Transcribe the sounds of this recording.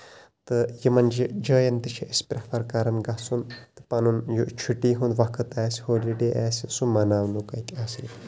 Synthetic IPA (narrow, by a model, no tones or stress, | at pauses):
t̪ɨjimɐnd͡ʒid͡ʒɐːjɐnt̪ɨt͡ʃʰiʔispɾʲɐpʰɐɾkaɾɐnɡɐsunt̪ɨ̥pɐnunjut͡ʃʰuʈːiːɦund̪ʋɐkʰɨt̪aːsʲhoːliɖeːʔaːsʲisumɐnaːʋnukɐt̪ʲaːsi